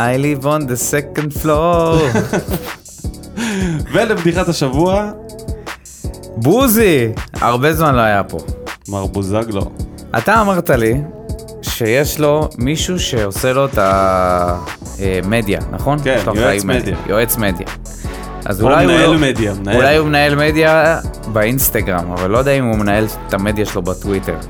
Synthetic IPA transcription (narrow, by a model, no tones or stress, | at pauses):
ajlivond̪esekend̪flo | velebd̪iχat̪aʃavua | buzia̰ʁbe̞zmanlo̞ajapo̞̰maʁbuzaɡlo̰ | a̰t̪aːmaʁt̪ali | ʃe̞je̞ʃlo̞miʃuʃe̞ose̞lo̞t̪a | eme̞d̪ja̰nʔa̰χo̞nkaajumed̪jja̰jʔoet͡sme̞d̪ja̰ | ʔa̰zulajuelmed̪jaulajumenae̞lme̞djabeinst̪aɡʁama̰valːo̞jodeaimumenae̞l | t̪ame̞d̪jaʃelo̞batwite̞̰ʁ